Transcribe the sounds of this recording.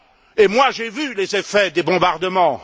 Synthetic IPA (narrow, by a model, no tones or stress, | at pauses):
emwaʒevylezefɛd̪ebɔ̃baʁd̪əmɑ̃